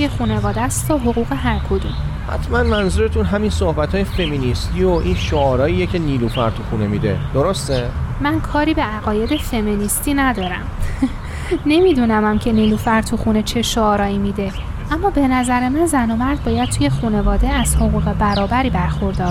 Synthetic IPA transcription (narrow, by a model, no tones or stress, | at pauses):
t̪ujexune̞vɒːd̪æst̪ʰɒɦoɣuːɣe̞ɦæɾkʰod̪um | hæ̰t̪ʰmænmænzuɾet̪ʰunɦæminsohbæt̪ʰɒːjefe̞minist̪ioʔinʃoɒːɾɒːiːjecʰe̞niːlufæɾt̪ʰuxunemiːd̪ḛd̪̥oɾost̪emænkʰɒːɾiːbe̞æɣɒːje̞d̪e̞fe̞minist̪iːnæd̪ɒːɾæ̰m | ne̞mid̪unæmæmcʰe̞niːlufæɾt̪ʰuxuːne̞t͡ʃʰe̞ʃoɒːɾɒːiːmid̪e̞ | ʔæmːɒːbe̞næzæɾe̞mænzænomæɾd̪̚bɒːjæd̪̚t̪ʰuːje̞xune̞vɒːd̪e̞æz̥hoɣuːɣe̞bæɾɒːbæɾiːbæɾxoɾd̪ɒːɾ